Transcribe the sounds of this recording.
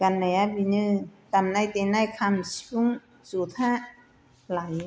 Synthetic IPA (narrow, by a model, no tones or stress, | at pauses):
kanːajabinɯːt̪amnajt̪enajkʰamsuŋ | suːt̪ʰaʔ | laj